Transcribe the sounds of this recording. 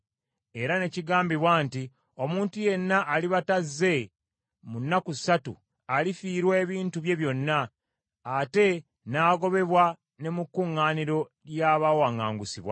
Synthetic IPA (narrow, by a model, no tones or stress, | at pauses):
e̞ɾane̞ciɡaːmbiβwaːnti | o̞muːntuje̞nːaʔːliβatazːe̞ | munːakusatṵ | alifiːɾwe̞ːβiːntuβje̞βjo̞nːaː | te̞ | naːɡo̞βe̞βwa | ne̞mukːuŋːaːniɾo̞ | ɾjaβawaŋːaːŋɡusiβwa̰